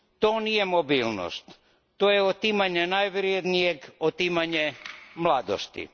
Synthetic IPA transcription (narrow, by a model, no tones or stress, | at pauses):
t̪oːnije̞mobiːlno̰st̪ː | oːjeot̪imaɲenajʋɾjed̪nijeɡot̪imaɲemlˠad̪o̰st̪ḭ